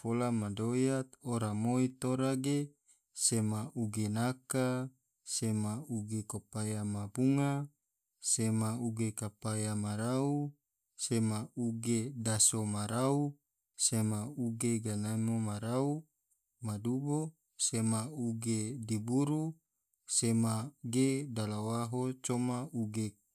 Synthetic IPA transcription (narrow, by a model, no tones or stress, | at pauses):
folamadojat̪̚oɾamoit̪oɾaɡe | semaʔuɡenaka | semauɡekopajamabuŋa | semauɡekapajamaɾau | semauɡedasomaɾau | semauɡeɡanamomaɾau | madubo | semauɡedibuɾu | semaɡedalawaɦot͡ʃomauɡe